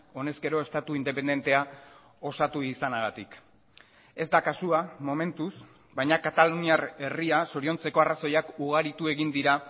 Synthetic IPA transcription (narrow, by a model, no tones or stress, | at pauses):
o̞ne̞ske̞ɾo̞e̞st̪at̪uind̪e̞pe̞nd̪e̞nt̪e̞a | o̞sat̪uisanaɣat̪ik | e̞zd̪akasuamo̞me̞nt̪us | bajɲakat̪aluniare̞riasoɾio̞nt͡se̞ko̞araso̞jakuɣ̞aɾit̪ue̞ɣind̪iɾa